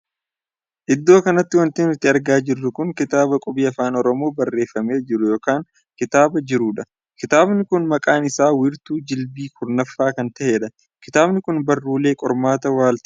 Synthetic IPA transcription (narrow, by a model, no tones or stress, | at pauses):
ʔɪd̪ːo̞ːkɐnɐt̪ːɪwɐnt̪ɪnɪt̪ːɪɐɾɡaːd͡ʒɪrːʊkʊŋkɪt̪aːbɐkʼɔbiːɐfaːnɔɾɔmo̞ːbɐrːe̞ːfːɐme̞ːd͡ʒɪɾʊjo̞ːkaːŋ | kɪt̪aːbɐd͡ʒɪɾuːᶑɐ | kɪt̪aːbnɪkʊnmɐkʼaːnɪsaːwɪɾt̪uːd͡ʒɪlbiːkʊɾnɐfːaːkɐnt̪ɐheːᶑɐ | kɪt̪aːbnɪkʊnbɐrːuːle̞ːkʼɔɾmaːt̪ɐwaːlt̪ɪ̥